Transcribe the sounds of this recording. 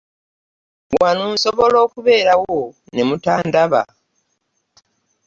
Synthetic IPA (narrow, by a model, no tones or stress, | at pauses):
wanuːnso̞βo̞lo̞ːkuβe̞ːɾawo | ne̞mutaːndaβa̰